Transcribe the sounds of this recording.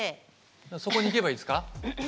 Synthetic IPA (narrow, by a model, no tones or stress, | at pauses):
e | so̞ko̞ɲ̟ike̞baiːsɨ̥ka